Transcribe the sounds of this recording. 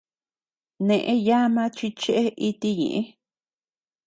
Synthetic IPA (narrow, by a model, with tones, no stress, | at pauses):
nẽ˧ʔẽ˦ja˦mã˦t͡ʃi˧t͡ʃe˦ʔe˦ʔi˧t̪i˧ɲḛ̃˨ʔẽ˦